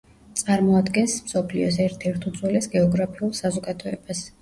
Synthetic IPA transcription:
t̪sʼaɾmɔad̪ɡɛnsmsɔpʰliɔsɛɾt̪ʰɛɾt̪ʰud̪zwɛlɛsɡɛɔɡɾapʰiulˠsazɔɡad̪ɔɛb̥as

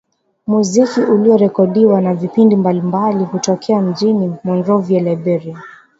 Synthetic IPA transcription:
muzikiʔuliɔɾɛkɔɗiwanavipindimbalimbalihutɔkʰɛam̩d͡ʒinimɔnɾɔviɛlɛbɛɾi

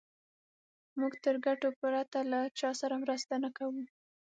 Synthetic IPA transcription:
muɡt̪əɾɡaʈopuɾat̪alat͡ʃɑsaɾamɾəst̪anakawu

